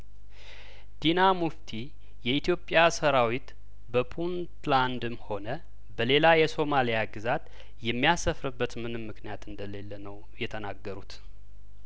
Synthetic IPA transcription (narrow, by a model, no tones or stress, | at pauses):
d̪̥inamuft̪ʰi | jɛit̪jo̞pʼːjasəɾawit̪ | bəpʰunt̪land̪ɨmho̞nə | bəle̞lajɛso̞malijaɡɨzat̪ | jɛmːijasəfɾɨbːət̪mɨnɨmːɨknijat̪ɨnd̪əle̞lːənəw | jɛt̪ʰənaɡːəɾut̪